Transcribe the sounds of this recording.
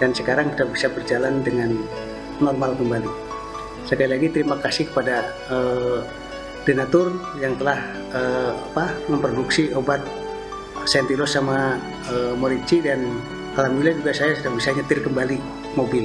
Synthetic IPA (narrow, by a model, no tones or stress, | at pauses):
dansəkaɾaŋsudahbisabərd͡ʒalandəŋan | nɔrmalkəmbali | səkalilaɡit̪əɾimakasɪhkə̥pada | ə | denat̪ʊr | jaŋt̪əlah | əapaməmpɾoduksiʔobat̪̚ | sɛnt̪ilɔsːama | əmoɾiɲt͡ʃidan | kalamilad͡ʒuɡasajasudahbisaɲət̪ɪrkəmbali | mobɪl